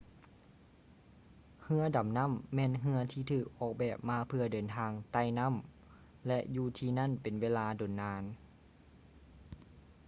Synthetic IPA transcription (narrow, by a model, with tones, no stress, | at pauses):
hɯ˧˥ɐda˨˩˦mna˧˥˨mːɛː˧˥˨nɦɯ˧ɐt̪ʰiː˧t̪ʰɯː˨˩k̚ʔɔː˨˩k̚bɛː˨˩p̚maː˧˥pʰɯ˧ɐdɤː˨˦nt̪ʰaː˧ŋt̪a˧˩jna˧˥˨m | lɛ˧ʔjuː˧˩t̪ʰiː˧na˧˥˨npe˨nweː˧˥˨laː˧do˨˩˦nːaː˧˥n